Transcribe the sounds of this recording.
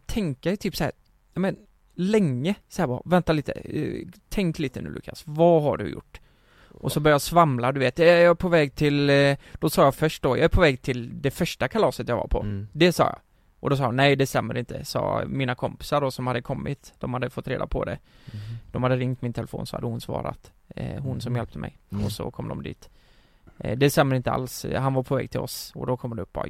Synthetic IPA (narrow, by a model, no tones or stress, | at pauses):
t̪ʰɛŋkat̪ʰyːpsaæːɾ | jɑmən | lɛŋːəsɔhæːɾbɑ̰ɾa̰vɛnt̪aliːt̪ə̰t̪ʰɛŋkliːt̪ənʉ̟ːlʏ̰kʰːa̰svɑɦa̰ɖɵ̰jʊ̰ʈː | ʔɔsɔbœɾjajɑsvamlad̪ɵveːt̪jɑæpʰɔvɛːɡt̪ʰɪld̪̥ɔsɑːjɑfœʂʈ̚d̪ɔjɑ̰æɾpʰɔvɛːɡt̪ʰɪld̪ɛfœʂʈakʰalɑːsət̪jɑva̰ɾpʰɔ̰d̪ɛsɑ̰ːjɑ̰ | ʔɔd̪ɔs̬ɑːhʊnɛjd̪ɛst̪ɛmːəɾɪnt̪ʰə̰sɑ̰ːmiːnakʰɔmpɪ̥saɖɔsɔmhad̪ːəkʰɔmːɪt̪d̪̥ɔmhad̪ːəfɔt̪ːɾeːd̪a̰pʰɔ̰d̪ɛ̰ | d̪̥ɔmhad̪ːəɾɪŋt̪mɪnt̪ʰɛləfo̰ːnsɔha̰d̪ːəhʊnsvɑ̰ːɾa̰t̪ | hʊnsɔmjɛlp̚t̪əmʔɛ̰jɔsɔ̰kʰɔmd̪ɔmd̪ḭːt̪ | d̪ɛst̪ɛmːəɾɪnt̪əa̰lsɦanvaɾpʰɔvɛ̰ːɡ̚t̪ʰɪlɔ̰sɔ̰d̪ɔkʰɔmːd̪ɛɵp̚ːbɑ̰